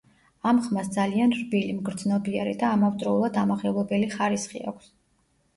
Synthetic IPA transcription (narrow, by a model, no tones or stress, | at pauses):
amχmasd̪zalianɾbilimɡɾd̪znɔbiaɾid̪aːmavt̪ʼɾɔulˠad̪amaχɛvlˠɔbɛliχaɾisχḭa̰kʷʰs